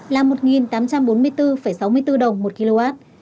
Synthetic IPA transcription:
laː˨˩mo˨˩t̚ŋi˨˩nt̪aː˨˦mt͡ɕa˧mɓo˨˦nmɨ˧əjt̪ɨ˧fə˧˩jsa˨˦wmɨ˧əjt̪ɨ˧ɗə˨˩wŋ͡mmo˨˩t̚ki˧lo˧ʔaː˦˥t̚

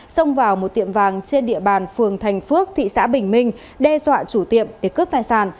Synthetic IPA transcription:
sə˧wŋ͡mvaː˨˩wmo˨˩t̚t̪i˧˨əmvaː˨˩ŋt͡ɕe˧nɗḭ˧əɓaː˨˩nfɨ˨˩əŋt̪ʰa˨˩jŋ̟fɨ˦˥ək̚t̪ʰḭ˧˨sa̰ː˧˥ɓï˨˩ŋ̟mï˧ŋ̟ | ɗɛ˧zwa̰ː˧˨t͡ɕu˧˩t̪ḭ˧˨əmɗe˧˩kəː˦˥p̚t̪aː˨˩jsaː˧˩n

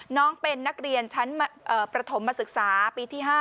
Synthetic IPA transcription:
nɔː˦˥ŋpe˧nːa˦˥k̚ɾi˧ənt͡ɕʰa˦˥nma˧ʔəː˨˩pɾa˧t̪ʰo˩˦mːaː˧sɯ˨˩k̚saː˩˦piː˧t̪ʰiː˥˩ɦaː˥˩

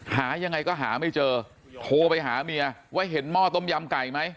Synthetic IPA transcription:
haː˩˦ja˧ŋːa˧jkɔː˥˩ɦaː˩˦ma˥˩jt͡ɕɤː˧ | t̪ʰoː˧pa˧jɦaː˩˦mi˧ɐ˧wa˦˥jɦe˩˦nmɔː˥˩t̪o˥˩mja˧mka˨˩jma˦˥j

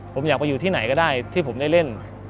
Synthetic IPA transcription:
pʰo˩˦mjaː˨˩k̚ma˧juː˨˩t̪ʰiː˥˩na˩˦jkɔː˥˩daː˥˩jt̪ʰi˥˩pʰo˩˦mda˥˩jle˥˩n

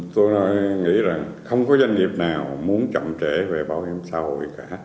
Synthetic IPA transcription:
t̪o˧jnɔ˨˦jŋḭ˧˥za˨˩ŋxə˧wŋ͡mkɔ˨˦za˧nŋi˨˩əp̚naː˨˩wmu˨˦ənt͡ɕə̰˧˨mt͡ɕe˧˥ve˨˩ɓaː˧˩whi˧˦msaː˧ho̰˧˨jkaː˧˩˥

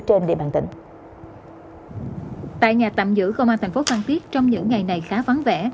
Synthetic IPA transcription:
t͡ɕe˧nɗḭ˧əɓaː˨˩nt̪ḭ˧˩ŋ̟ | t̪a̰ː˧˨jɲaː˨˩t̪a̰˧˨mzɨ̰˧˥kə˧wʔaː˧nt̪ʰŋ̟fo˨˦faː˧nt̪i˦˥ət̚t͡ɕɔ˧wŋ͡mɲɨ̰˧˥ŋːa˨˩jna˨˩jxaː˨˦va˨˦nvɛ̰˧˥

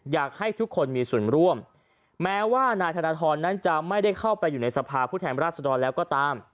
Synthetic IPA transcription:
jaː˨˩k̚ha˥˩jt̪ʰu˦˥kʰːo˧nmiː˧su˨˩ənɾu˥˩əm | mɛː˦˥waː˥˩naː˧jt̪ʰaː˧naː˧t̪ʰɔː˧nːa˦˥nt͡ɕa˨˩ma˥˩jda˥˩jkʰa˥˩wpa˧jːuː˨˩na˧jsa˧pʰaː˧pʰuː˥˩t̪ʰɛː˧nɾaː˥˩t̪̚sa˧dɔː˧nlɛː˦˥wkɔː˥˩t̪aː˧m

